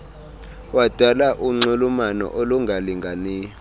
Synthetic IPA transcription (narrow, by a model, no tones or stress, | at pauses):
wad̥ʱalaʔuŋ͡ǀulumanɔ̰ʔoluŋɡʱaliŋɡʱaniː